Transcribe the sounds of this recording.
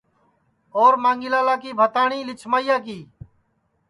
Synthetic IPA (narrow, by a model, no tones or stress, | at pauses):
oːɾmãːŋɡɪlaːlaːkiːbʱət̪aːɳ̃ĩːlɪt͡ʃʰmaːijaːk̬iː